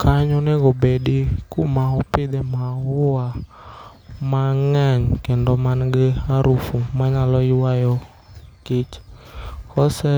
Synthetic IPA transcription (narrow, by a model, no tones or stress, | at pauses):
kaɲɔnɛɡɔbeɗikʊmaɔpɪd̪ɛmaʊwa | maŋɛɲkɛndɔmanɡeaɾufumaɲalɔɪwajɔ | kɪt͡ʃ | hɔsɛ